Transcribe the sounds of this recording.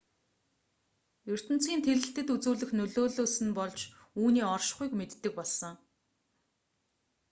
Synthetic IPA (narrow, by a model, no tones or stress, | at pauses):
jɵr̥t̪ɘ̆n̥t͡sɡiːnt̪ʰeɾɘ̆ɬt̪ɘ̆t̪ut͡suːɮɘ̆xnɵɮoːɮoːsɘ̆npɔɮt͡ɕ | uːniːɔrʃχujkmet̪ːɘ̆k̚pɔɮsɞ̆ŋ